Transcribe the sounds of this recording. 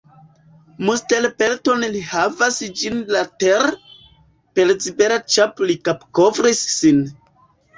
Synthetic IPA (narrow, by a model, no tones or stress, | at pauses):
mustelpelto̞nlihavasd͡ʒinlateɾ | pe̞lsibeɾat͡ʃaplikapko̞vɾisːin